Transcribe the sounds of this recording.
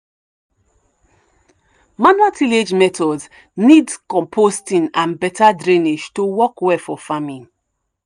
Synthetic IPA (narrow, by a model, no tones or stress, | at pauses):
manuatʰiled͡ʒmɛtʰɔds | nidkɔ̃mpʰostĩnãnbɛtadɹĩneʃtuwɔkwɛfɔfamĩn